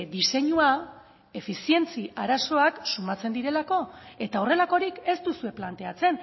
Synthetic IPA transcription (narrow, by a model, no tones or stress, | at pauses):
d̪ise̞ɲua | e̞fisie̞nt͡siʔaɾaso̞aksumat͡se̞nd̪iɾe̞lako̞e̞t̪ao̞re̞lako̞ɾike̞st̪usue̞plant̪e̞at͡se̞n